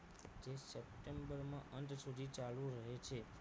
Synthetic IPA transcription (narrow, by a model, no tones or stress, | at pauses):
d͡ʒesəp̚ʈembəɾmãʔənt̪sud̪ʱit͡ʃalũɾəɦet͡ʃʰe